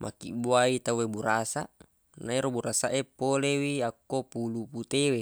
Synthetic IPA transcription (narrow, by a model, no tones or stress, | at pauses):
mʔa̰kḭbuait̪auwebuɾasa | naiɾobuɾasaʔepolewiakːopuluput̪ewe